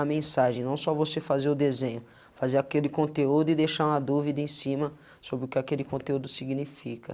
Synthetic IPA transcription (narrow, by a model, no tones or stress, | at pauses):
ɐmẽsaʒẽj̃nɐ̃w̃sɔvosefazeɾʊd̪ezẽɲʊ | fazeɾakelɪkõnt̪eud̪ʊɪd̪ejʃaɾũmɐd̪uvid̪ɐẽsĩmɐ | sobɾɪʊkɪakelɪkõnt̪eud̪ʊsiɡnifikɐ